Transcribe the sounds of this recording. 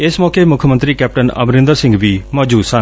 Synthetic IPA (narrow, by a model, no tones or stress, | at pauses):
ɪsmɔːkemʊkʰəmənt̪ɾiːkɛːp̚ʈənə̰bɾɪ̃nd̪əɾsɪ̃ŋɡʋiːmɔːd͡ʒuːdsə̃